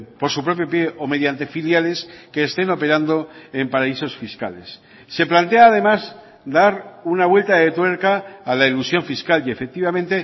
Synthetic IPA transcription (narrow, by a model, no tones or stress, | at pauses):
po̞ɾsupɾo̞p̬jo̞pje̞ʔo̞me̞ðjant̪e̞filjale̞ske̞ːst̪e̞no̞pe̞ɾand̪o̞empaɾaiso̞sfiska̰le̞̰sː | e̞plant̪e̞aːðe̞maz | d̪aɾunaβwe̞lt̪aðe̞t̪we̞ɾkaːlailusjo̞ɱfiskale̞fek̚t̪iβ̞amẽ̞nt̪e̞